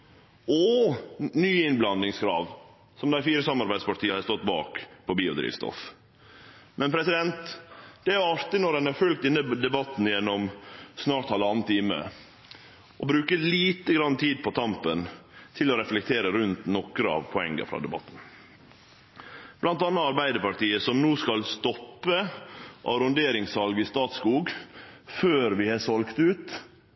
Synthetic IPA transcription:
ɔ | nyːɪnblɑnɪŋskʰɾɑ̰ːʋ | sɔmd̪æɪfiːɾəsɑmɑɾbæɪd̪spʰɑʈ̪ʰiːhɑɾst̪ɔt̪ːbɑ̰ːkpʰɔbiːʊd̪ɾḭːʋst̪ɔ̰f | mʔɛnpʰɾɛsɪd̪ɛnt̪d̪̥ɛæɾɑɾt̪ɪnɔɾdɛnæɾfʉlk̚t̪ɪnːəd̪ɛbɑt̪ːn̩jɛnːɔmsnɑːʈt̪ɑləɑːnət̪ʰiːmə̰ | ʔɔbɾʉːkəliːt̪əɡɾɑnːət̪ʰiːd̪̚pʰɔt̪ʰɑmpənt̪ʰɪlɔɾɛflɛk̚t̪ʰeːɾəɾʉnt̪nɔkɾəɑ̰ʋpʰɔɛ̰ŋːə̰fɾɑ̰ːd̪ɛbɑ̰t̪ːn̩ | b̥lɑnt̪ɑːnːəɑɾbæɪd̪əpɑʈiːəsɔmnuːskɑlst̪ɔpːəʔɑ̰ɾʊnd̪eːɾɪŋsɑlɡɪst̪ɑːt̪skuːɡføːɾʋɪhɑsɔlkt̪ʉːt̪

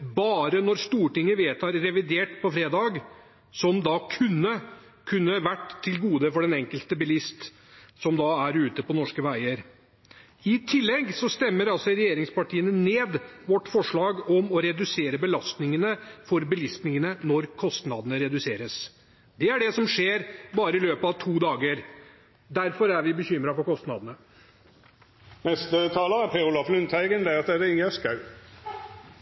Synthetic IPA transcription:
bɑːɾənɔɾst̪uːʈɪŋːəʋeːt̪ʰɑɾːɛʋɪd̪eːʈpʰɔfɾeːd̪ɑːɡ | sɔmd̪ɑkʰʉnːə | kʰʉnːəʋæʈːt̪ʰːɪlɡuːd̪əfɔɖɛnɛŋkəlt̪əbɪlɪst̪ | sɔmd̪ɑæɾʉːt̪əpɔnɔʂkəʋæɪəɾ | ɪt̪ʰɪlːɛɡsɔst̪ɛmːəɾɑlsɔɾɛjeːɾɪŋspɑʈʰiːənəneːd̪ʋɔʈːfɔʂɭɑːɡɔmɔɾɛd̪ʉseːɾəbəlɑst̪nɪŋənəfɔɾbəlɪst̪nɪŋənənɔɾkʰɔst̪nɑd̪ənəɾɛd̪ʉseːɾəs | d̪ɛæɖɛsɔmʂeːɾbɑːɾəɪløːpəɑʋt̪ʰuːd̪ɑːɡəɾ | d̪æɾfɔɾæɾʋɪbəçʏmːɾɑfɔɾkɔst̪nɑ̰d̪ənə | nɛst̪ət̪ʰɑːləæpʰeʊlɑflʉnt̪ʰæɪɡənd̪ɛɑt̪̚d̪ɛɾɪŋəskɑʉ

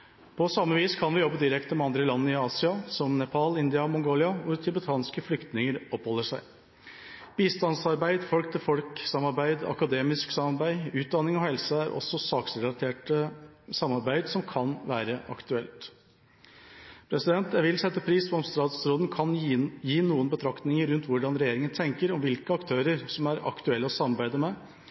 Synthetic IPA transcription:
pʰɔsɑmːəʋiːskʰɑnʋɪjɔbːəd̪ɪɾɛkt̪əmɛɑnd̪ɾəlɑnːəɪɑːsɪɑsɔmnɛpʰɑlɪnd̪ɪɑmɔŋɡoːlɪɑʋʊɾt̪ʰʉbət̪ʰɑːnskəflʏkt̪nɪŋəɾɔphɔlːəʂæɪ | b̥iːst̪ɑnsɑɾbæɪd̪fɔlk̚t̪ʰɪlfɔlksɑmːɑɾbæɪd̪ɑ̰kɑd̪eːmɪsksɑmɑɾbæɪʉːt̪̚d̪ɑnːɪŋɔhɛlsəæɾʔɔ̰sːɔsɑːksɾɛlɑt̪ʰeːʈəsɑmːɑɾbæɪd̪sɔmkʰɑnʋæːɾəʔɑ̰kt̪ʉɛlt̪ | pʰɾɛsɪd̪ɛnt̪jæɪʋɪlsɛt̪ːəpʰɾiːspʰɔɔmst̪ɑːt̪sɾoːd̪ən̩kʰɑnjiːnuːənbət̪ʰɾɑkt̪nɪŋəɾʉnt̪ʋʊɖɑnɾɛjeːɾɪŋənt̪ʰɛŋkəɾɔmʋɪlkəɑkt̪ʰøːɾəɾsɔmæɾɑ̰kt̪ʉɛlːəɔsɑmːɑɾbæɪd̪əmɛ

